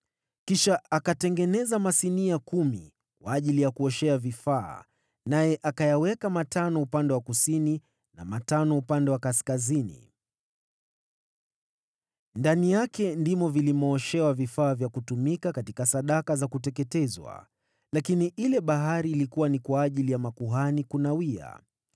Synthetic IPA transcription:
kiʃaʔakatɛŋɡɛnɛzamasiniakumḭ | kwaːʄilijakuɔʃɛavifaː | najɛʔakajawɛkamatanɔupandɛwakusini | na̰matanɔupandɛwakaskazinḭ | ndanijakɛndimɔvilimɔːʃɛwavifaːvjakutumikakatikasaɗakazakutɛkɛtɛzwa̰ | lakiniʔilɛɓaɦaɾiːlikuwanikwaːʄilijamakuɦanikunawia̰

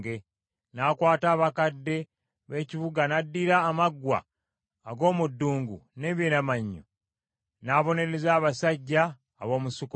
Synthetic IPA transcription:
ɡe | nakwaːtaːβakadːe̞ | βe̞ːciβuɡanadːiɾaːmaɡwa̰ː | ɡo̞ːmudːuːŋɡṵne̞βjenamaɲːo̰ | naβo̞ne̞ɾe̞zaːβasaɟːaː | βo̞ːmusuko

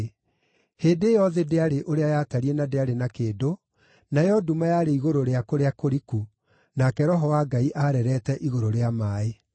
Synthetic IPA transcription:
heːdeːjɔðedeaɾeʔoɾeajaːtaɾienadeaɾenakeːdo | najɔdumajaɾeiɣoɾoɾeakoɾeakoɾiku | nakɛɾɔɦɔwaːɡaiʔaɾɛɾɛtɛʔiɣoɾoɾeamaːe

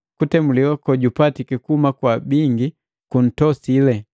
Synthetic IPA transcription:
kutɛmuliwakɔɟupatikɛkuumakwabiŋɡi | kun̩tɔsilɛ

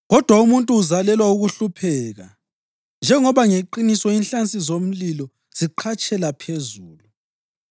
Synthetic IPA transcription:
ɣɔd̥ʱwaumuntʼuːzalɛlwauɣuɬupʰɛːɣa̰ | nd͡ʒʱɛŋɔβaŋeǃinisɔinɬant͡sʼizom̩lilɔ | z̥iǃʰat͡ʃʼɛlapʰezuːlu

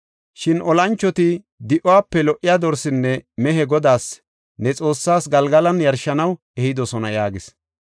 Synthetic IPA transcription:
ʃɪnɔlɐnt͡ʃːɔt̪ɪ | d̪ɪʔʊwaːpːɛlɔʔːɪjaːd̪ɔɾsɪnːɛmɛɦɛɡɔd̪aːs | nɛt͡sʼo̞ːsːaːsɡɐlɡɐlɐnjɐɾʃɐnɐw | ɛhɪd̪ɔsɔnɐjaːɡɪs

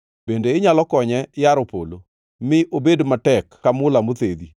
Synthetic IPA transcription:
b̥endeɪɲalɔkɔɲɛjaɾɔpo̰lo | mɪʔobedmatɛkːamʊlamot̪ed̪i

